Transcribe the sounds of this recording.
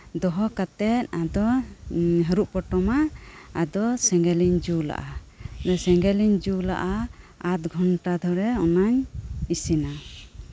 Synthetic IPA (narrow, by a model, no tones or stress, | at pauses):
d̪ɔɦɔkat̪ɛt̪̚ad̪ɔ | ɦəɾuʔpɔʈɔmaːd̪ɔsɛŋɡɛliɲd͡ʒula̰ʔa | sɛŋɡɛliɲd͡ʒula̰ʔaat̪̚ɡʱɔɳʈad̪ʱɔɾɛɔnaɲisina